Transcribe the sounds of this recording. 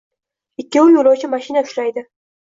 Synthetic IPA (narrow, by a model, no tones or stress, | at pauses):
ɪkʲːɪʊjolˠɒwt͡ʃʰɪmaʃinaʊ̥ʃlajd̪ɪ